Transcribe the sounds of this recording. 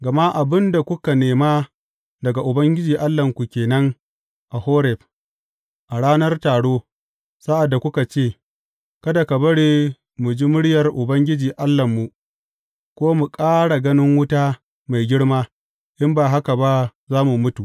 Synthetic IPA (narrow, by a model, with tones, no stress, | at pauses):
ɡɐ˨ma˦ʔa˨bɪ˦nda˨kʷʊ˦ka˨neː˨ma˦ | dɐ˨ɡa˨ʔʊ˨bɐ˦ŋɡʲɪ˦d͡ʒiː˨ʔa˦lːɐ˨ŋkʷu˨kʲeː˨nɐ˦ŋ | ʔa˨hoː˦ɾɛ˨ɸ | ʔa˨ɽaː˦nɐ˦rtaː˨ɽoː˦ | sa˦ʔa˨dːa˨kʷʊ˦ka˨t͡ʃeː˦˨ | kɐ˦da˨ka˨bɐ˦ɽeː˦ | mʊ˨d͡ʒi˦mʊ˦ɽɪ˦jɐ˨rʔʊ˨bɐ˦ŋɡʲɪ˦d͡ʒiː˨ʔa˦lːɐ˨mːu˨ | kʷoː˦mu˨kʼaː˦ɽa˨ɡɐ˦nɪ˦ŋwʊ˦taː˦ | ma˨jɡʲɪ˦ɽmaː˦ | ʔɪ˦mbaː˨ɦa˦ka˨ba˦zaː˦mu˨mʊ˦tu˨